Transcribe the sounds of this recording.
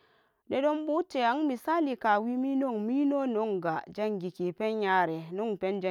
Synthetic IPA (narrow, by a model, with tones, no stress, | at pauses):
de˦do˦mbu˦te˨a˨˦ŋmi˨sa˦li˨ka˨wi˦mi˦no˦˨ŋmi˦no˦no˦ŋɡa˨d͡ʒa˦ŋɡi˨ki˨pe˦nja˦ɾe˨no˦ŋpe˦nd͡ʒa˦˨